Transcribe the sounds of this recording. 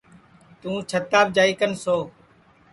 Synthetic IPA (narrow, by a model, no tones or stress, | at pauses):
t̪ũːt͡ʃʰət̪ːaːbd͡ʒaːiːkənsoː